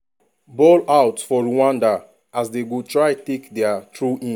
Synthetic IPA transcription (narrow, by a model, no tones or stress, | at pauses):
bɔlawtfɔɹuwãnda | asdeɡutɹaɪtekdɛatɹuʔĩ